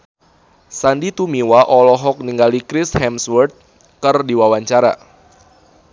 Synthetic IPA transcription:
sandit̪umiwaʔɔlɔɦɔk̚niŋɡalikɾɪshɛmswɛrt̪̚ | kɨrdiwawaɲt͡ʃaɾa̰

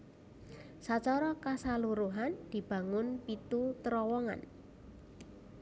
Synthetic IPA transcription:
sat͡ʃɔɾɔkasaluɾuɦand̪̥i̤b̥a̤ŋʊnpit̪ut̪əɾɔwɔŋa̰n

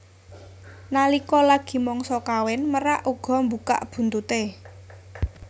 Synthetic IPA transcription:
nalikɔlaɡ̥i̤mɔŋsɔkawɛnməɾaʔuɡ̥ɔ̤mbuka̰ʔb̥ṳnt̪ut̪e

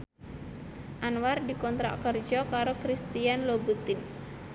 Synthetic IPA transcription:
ʔanwardikɔnt̪ɾa̰kərd͡ʒɔkaɾokɾist̪ianlobut̪ɪn

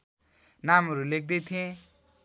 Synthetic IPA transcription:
namɦʌɾulek̚ʰd̪ʌjt̪ʰijẽ

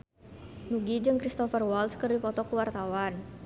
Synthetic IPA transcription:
nuɡid͡ʒɨŋkɾist̪ɔfərwalskərdipɔt̪ɔkuwart̪awan

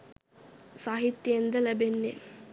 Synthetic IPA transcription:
saːɦit̪ːjend̪ɐlɐbenːe

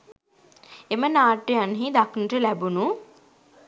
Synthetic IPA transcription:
emənaːʈːejanɦid̪aknəʈəlæbunu

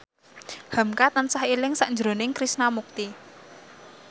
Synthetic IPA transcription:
hə̤mkat̪ənsahilɪŋsaʔnd͡ʒɾo̤nɪŋkɾisnamuk̚t̪i

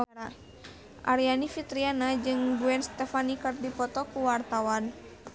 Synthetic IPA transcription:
a | ʔaɾianifit̪ɾianad͡ʒɨŋɡuɛnst̪ɛfanikərdipɔt̪ɔkuwart̪awan

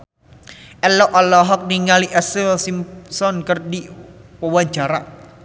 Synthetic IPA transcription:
ʔɛlɔʔɔlɔɦɔk̚niŋaliʔɛsilsimsɔnkərdipəwaɲd͡ʒaɾa

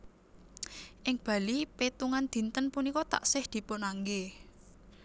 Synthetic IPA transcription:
ʔɪŋb̥ä̤lipet̪uŋand̪̥i̤nt̪ənpunikɔt̪a̰ʔsɪhd̪̥i̤pʊnaŋɡe

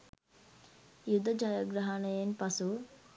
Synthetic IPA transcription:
jud̪ɐd͡ʒaːjɐɡɾɐɦanəjenpɐsu

